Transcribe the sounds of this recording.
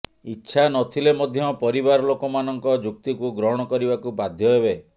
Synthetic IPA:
itːʃʰanɔt̪ʰilemɔd̪ʱjɔpɔɾibaɾɔlokɔmanɔŋkɔd͡ʒuk̚t̪ikuɡɾɔɦɔɽ̃ɔkɔɾibakubad̪ʱjɔɦebe

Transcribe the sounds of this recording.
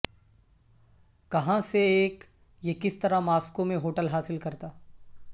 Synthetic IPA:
kɐɦãseeːk | jekɪst̪ɐɾamaːskõmẽɦoːʈəlɦaːsɪlkɐɾt̪aː

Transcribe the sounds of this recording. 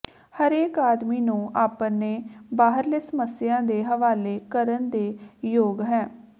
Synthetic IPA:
həɾeːkaːd̪miːnũːʔaːpneːbaːɦəɾleːsəməsjãːd̪eːɦəʋaːleːkəɾənd̪eːjoːɡɦɛ̃ː

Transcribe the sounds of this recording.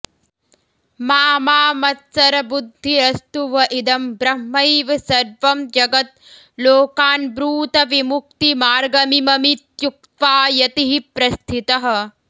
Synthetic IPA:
maːmaːmɐt̪sɐɾɐbud̪ʱːiɾɐst̪uʋɐʔid̪ɐmbɾɐɦmɐjʋɐsɐɾʋɐmd͡ʒɐɡɐt̪̚ | loːkaːnbɾuːt̪ɐʋimuk̚t̪imaːɾɡɐmimɐmit̪juk̚t̪ʋaːjɐt̪iɦipɾɐst̪ʰit̪ɐɦɐ̆

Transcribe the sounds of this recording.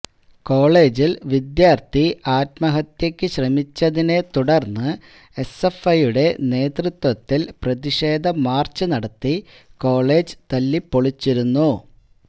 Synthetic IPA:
ko̞ːɭe̞ːd͡ʑilʋid̪jaːrt̪iaːtmɐɦɐt̪jekʲːɨɕrɐmit͡ɕːɐðine̞t̪uɽɐrnːɨ | e̞se̞fɐjuɽe̞ne̞ːt̪rɨt̪wɐt̪ːilprɐðiʂe̞ːd̪ʱɐmaːrt͡ɕːɨnɐɽɐt̪ːi | ko̞ːɭe̞ːd͡ʑɨ̥t̪ɐlːipːoɭit͡ɕːiɾunːu

